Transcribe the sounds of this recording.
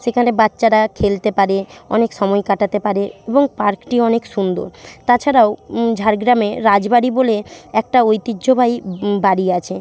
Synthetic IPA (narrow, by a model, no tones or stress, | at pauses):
ʃekʰanebatːɕaɾakʰelt̪epaɾeɔ̰nekʃɔmɔekaʈat̪epaɾeeboŋpaɾkʈiɔnekʃund̪o̰ɾt̪at͡ɕʰaɾaod͡ʑʱaɾɡɾameɾad͡ʑbaɽiboleɛk̚ʈaojt̪iːd͡ʑobʱajbaɽiat͡ɕʰe